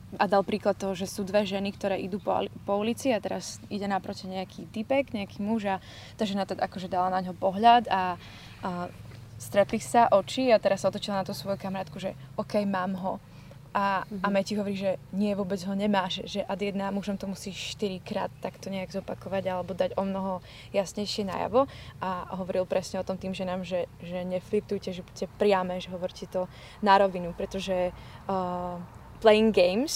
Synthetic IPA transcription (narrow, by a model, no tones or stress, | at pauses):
ad̪alˠpɾiːklat̪̚ːɔɦɔʒɛsuːd̪ʋɛʒɛnikt̪ɔɾɛːʔid̪uːppɔulit͡siat̪ɛɾaz̥iɟɛnapɾɔcɛɲɛakʰiːt̪ipɛɡɲɛakiːmuʒa | t̪aʒɛnat̪ɔʔakɔʒɛd̪alanaɲɦɔpɔɦʎad̪a | st̪ɾɛt̪lisaʔɔt͡ʃiat̪ɛɾasːaɔt̪ɔt͡ʃilanat̪usʋɔjukamaɾaːt̪kuʒɛ̰ɔkɛjmaːmɦɔ | ʔamɛciɦɔʋɔɾiʒɛɲɪɛʋʊɔbɛd͡zɦɔɲɛmaːʃʒɛʔad̪iɛd̪namuʒɔmt̪ɔmusiːʃt̪iɾikɾa̰ːt̪ːakt̪ɔɲɛaɡzɔpakɔʋaɟalɛbɔd̪aɟɔmnɔɦɔ | jasɲɛjʃɪɛna̰ja̰ʋɔʔaɦɔʋɔɾilˠpɾʔɛsɲɛɔt̪ɔmt̪iːmʒɛnaːmʒɛʒɛɲɛflik̚t̪ujcɛʒɛbuɛpɾɪamɛʒɛɦɔʋɔɾcɛt̪ɔ | naɾɔʋinupɾɛt̪ɔʒɛ | plɛjiŋɡɡɛjms